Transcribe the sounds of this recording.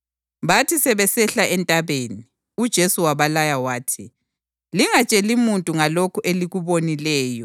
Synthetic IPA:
βatʰisɛβɛsɛɬaɛntʼaβeni | ud̥ʒ̥ʱesuwaβalajawaːtʰi | liŋat͡ʃʼelimuntʼuŋalokʰuʔeliɣuβonilɛːjɔ

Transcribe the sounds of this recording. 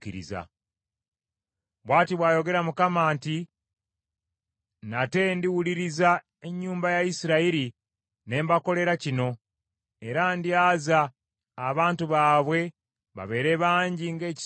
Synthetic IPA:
ḭɾḭza̰ | βwaːtiβwaːjo̞ɡe̞ɾamukamaːnti | nate̞ndiwuliɾiza | e̞ɲːuːmbajaisiɾaiɾi | ne̞ːmbako̞le̞ɾacino̞ | e̞ɾandjazaː | βaːntuβaːβwe̞ | βa̰βe̞ːɾe̞βaːɲɟiŋɡe̞ːci̥

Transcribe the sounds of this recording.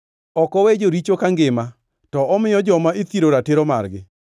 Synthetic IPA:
ɔkɔwed͡ʒoɾit͡ʃokaŋɡɪma | tɔɔmɪjɔd͡ʒɔmaet̪iɾoɾateɾoma̰ɾɡɪ

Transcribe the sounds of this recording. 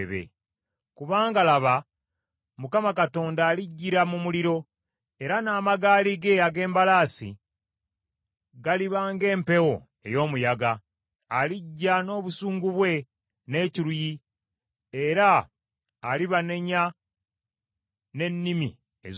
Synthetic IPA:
βḛ | kuβaːŋɡalaβa | mukamakato̞ːndaːliɟːiɾamumuliɾo̞ | e̞ɾanaːmaɡaːliɡe̞aɡe̞ːmbalaːsḭ | ɡaliβaːŋɡe̞ːmpe̞wo̞ | e̞̰jo̞ːmujaɡaː | liɟːano̞ːβusuːŋɡuβwe̞ | ne̞ːciɾuji | e̞ɾaː | liβane̞ɲa | ne̞nːimḭ | ḛz

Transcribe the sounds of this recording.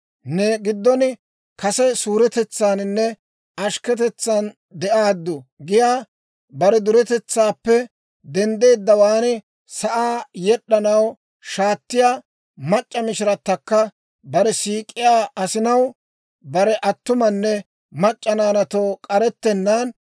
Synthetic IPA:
nɛɡɪd̪ːɔnɪ | kɐsɛsuːɾɛt̪ɛt͡sːaːnɪnːɛ | ɐʃkɛt̪ɛt͡sːan | d̪ɛʔaːd̪ːʊɡɪjaː | bɐɾɛd̪ʊɾɛt̪ɛt͡sːaːpːɛ | d̪ɛnd̪e̞ːd̪ːɐwaːnɪ | sɐʔaːjɛɗːɐnɐw | ʃaːt̪ːɪjaː | mɐt͡ʃʼːɐmɪʃɪɾɐt̪ːɐkːɐ | bɐɾɛsiːkʼɪjaːɐsɪnɐw | bɐɾɛʔɐt̪ːʊmɐnːɛ | mɐt͡ʃʼːɐnaːnɐt̪oːkʼɐɾɛt̪ːɛnːan

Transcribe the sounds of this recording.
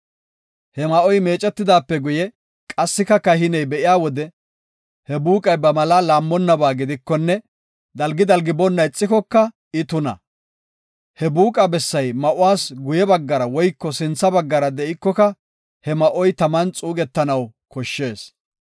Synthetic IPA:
hɛmɐʔɔjme̞ːt͡ʃʼɛt̪ːɪd̪aːpːɛɡʊjɛ | kʼɐsːɪkɐkɐhɪnɛjbɛʔɪjaːwɔd̪ɛ | hɛbuːkʼɐjbɐmɐlaːlaːmːɔnːɐbaːɡɪd̪ɪkːɔnːɛ | d̪ɐlɡɪd̪ɐlɡɪbɔnːɐjɪt͡sʼːɪkɔkːɐ | ɪt̪ʊnɐ̰ | hɛbuːkʼɐbɛsːɐjmɐʔʊwaːsɡʊjɛbɐɡːɐɾɐwɔjkːɔsɪnt͡sːɐbɐɡːɐɾɐd̪ɛʔɪkːɔkɐ | hɛmɐʔɔjt̪ɐmɐnt͡sʼuːɡɛt̪ːɐnɐwkɔʃːe̞ːs

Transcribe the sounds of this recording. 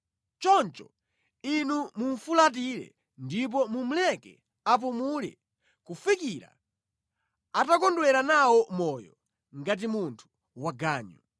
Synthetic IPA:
t͡ʃɔnt͡ʃɔ | inumuɱfulat̬iɾɛ̰ | ndip̬ɔmum̩lɛkɛ̰ | ap̬umulɛ̰ | kufikiɾa̰ | atakɔndwɛɾanawɔmɔjɔ̰ | ŋɡat̬imuntʰu̥ | waɡaːɲɔ

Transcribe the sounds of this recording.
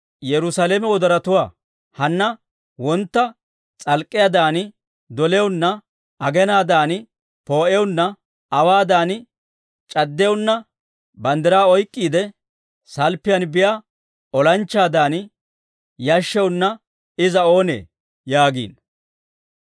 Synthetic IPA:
jɛɾʊsaleːmɛwɔd̪ɐɾɐt̪ʊwaː | hɐnːɐ | wɔnt̪ːɐ | t͡sʼɐlkʼːɪjad̪aːnɪ | d̪ɔlɛwʊnːɐ | ɐɡɛnaːd̪aːn | po̞ːʔɛʊnːɐ | ɐwaːd̪aːn | t͡ʃʼɐd̪ːɛʊnːɐ | bɐnd̪ɐɾaːɔjkʼːiːd̪ɛ | sɐlpːɪjɐnbɪjaː | ɔlɐnt͡ʃːaːd̪aːn | jɐʃːɛwʊnːɐ | ɪzɐo̞ːnḛː | jaːɡḭːn

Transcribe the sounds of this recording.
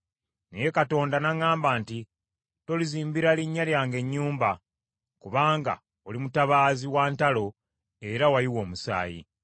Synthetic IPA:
nḛje̞kato̞ːndanaŋːaːmbaːnti | to̞liziːmbiɾaliɲːaljaːŋɡe̞ɲːuːmba | kuβaːŋɡa̰ | olimutaβaːziwaːntalo̞ | e̞ɾawaliwo̞ːmusa̰ːjḭ

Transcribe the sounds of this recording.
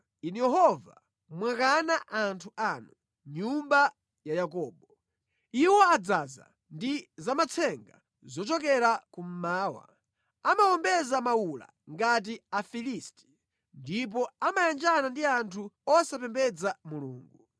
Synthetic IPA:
inujɛɦɔva̰ | mwakanaʔantʰuʔaːnu | ɲumba | jajakɔːbɔ | iwɔad͡zaza̰ | ndizamat͡sʰɛŋɡa | zɔt͡ʃɔk̬ɛɾakum̩maːwa̰ | amaɔmbɛzamawula̰ | ŋɡat̬iafilisti̥ | ndip̬ɔamajand͡ʒanandiantʰuɔsapɛmbɛd͡zamuluːŋɡu

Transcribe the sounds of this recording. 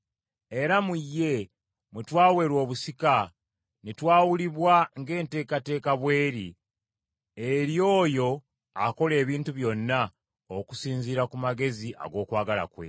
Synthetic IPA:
e̞ɾamujːe̞ | mwutwaːwe̞ːɾwo̞ːβusika | nitwaːwuliβwaŋɡe̞ːnte̞ːkate̞ːkaβwe̞ːɾi | eɾjo̞ːjo̞ | ako̞le̞ːβiːntuβjo̞nːa | oku̥siːnziɾakumaɡe̞ziʔa̰ɡo̞ːkwaːɡala̰kwe̞̰

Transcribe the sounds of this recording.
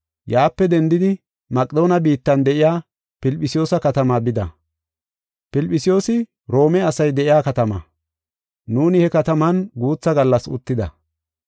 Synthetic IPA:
jaːpːɛd̪ɛnd̪ɪd̪ɪ | mɐkʼɪd̪o̞ːnɐbiːt̪ːɐnd̪ɛʔɪjaː | pɪlpʼːɪsɪjo̞ːsɐkɐt̪ɐmaːbɪd̪ɐ̰ | pɪlpʼːɪsɪjo̞ːsɪ | ɾo̞ːmɛɐsɐjd̪ɛʔɪjaːkɐt̪ɐmɐ̰ | nuːnɪhɛkɐt̪ɐmɐnɡuːt͡sːɐɡɐlːɐsʊ̰t̪ːɪd̪ɐ̰

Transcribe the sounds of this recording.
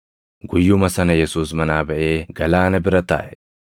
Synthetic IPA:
ɡʊjːʊmɐsɐnɐjɛsuːsmɐnaːbɐʔe̞ːɡɐlaːnɐbɪɾɐt̪a̰ːʔɛ̥

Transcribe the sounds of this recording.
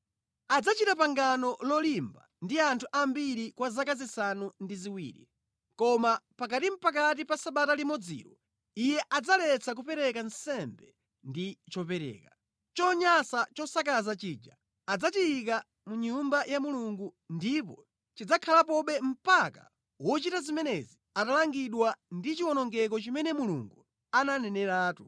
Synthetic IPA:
ad͡zat͡ʃitapaŋɡanɔlɔlimba̰ | ndiantʰuʔambiɾikwazakazisanundiziwḭːɾḭ | kɔmapakatim̩pak̬at̬ipasaɓatalimɔd͡zḭɾɔ | ijɛʔad͡zalɛt͡sʰak̬upɛɾɛkansɛmbɛ | ndit͡ʃɔpɛɾɛ̰ːka | t͡ʃɔɲasat͡ʃɔsak̬azat͡ʃiːd͡ʒa | ad͡zatiik̬a | muɲumbajamuluŋɡundipɔ | t͡ʃid͡zakʰalapɔɓɛm̩paka̰ | wɔt͡ʃitazimɛnɛzi | atalaŋɡiɗwandit͡ʃiwɔnɔŋɡɛk̬ɔt͡ʃimɛnɛmulṵŋɡu | ananɛnɛɾaːtu

